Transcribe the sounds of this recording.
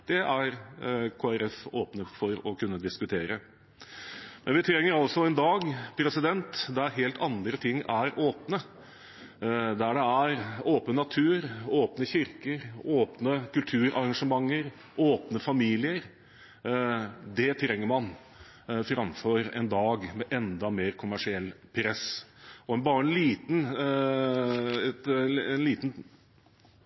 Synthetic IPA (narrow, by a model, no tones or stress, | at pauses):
d̪̥ɛʔæɾkʰoːæɾɛfoːpnəfɔɾɔkʰʉnːəd̪ɪskʉt̪ʰeːɾə | mɛnʋɪt̪ʰɾɛŋːəɾɔlsɔɛnd̪ɑːɡpʰɾɛsɪd̪ɛnt̪d̪æɾɦeːlt̪ʰɑnd̪ɾət̪ʰɪŋːæɾoːpnə | d̪æɖɛæɾoːpnənɑt̪ʰʉːɾoːpnəçɪɾkəɾoːpnəkʰʉlt̪ʰʉːɾɑɾɑŋʂəmɑŋːəɾ | ʔoːpnəfɑmiːlɪəɾ | d̪ɛt̪ʰɾɛŋːəɾmɑn | fɾɑmfɔɾɛ̰nd̪ɑːɡmɛʔɛnd̪ɑmeːɾkʰʊmæʂɪɛlːpʰɾɛsɔɛbɑːɾəɛnliːt̪n | ɛt̪ɛnliːt̪n̩